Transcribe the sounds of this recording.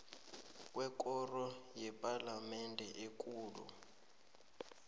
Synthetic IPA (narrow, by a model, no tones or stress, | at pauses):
k̬ʼwɛk̬ʼɔrɔjɛpʼalamɛndʱɛʔek̬ʼuːlṵ